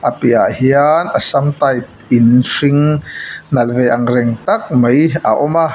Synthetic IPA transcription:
ʔapiahianʔɐsɐmt̪aj | inʂiŋ | nɐlvɛʔɐŋrɛŋt̪ɐk̚məjaʔɔma

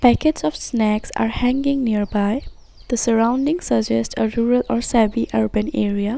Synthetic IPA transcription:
pækəʈsɔfsnæksa̰ːɾhæ̃ŋɡɪ̃ŋniəɾbaɪ | d̪̥əsəɾãʊ̃nɖɪ̃ŋsəd͡ʒɛsʈʰəɾuːɾəlɔːɾsæbiʔʌɾbə̃neːɾia

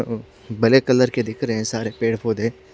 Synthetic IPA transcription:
bɐlekɐləɾked̪ɪkʰɾəɦɛ̃saːɾepeːɽpʰoːd̪ẽː

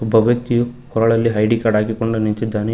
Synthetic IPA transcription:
bʱɐʋjɐkt̪ːijukɔɾɐɭɐlːiɦɐjɖikaːɖaːɡikoɳɖunint͡ʃid̪ːaːne

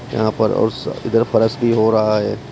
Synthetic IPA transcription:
jɐ̰ɦãpɐɾɔ̰ːɾsɪd̪əɾpʰɐɾəsbʱiɦoːɾaɦaɦɛː

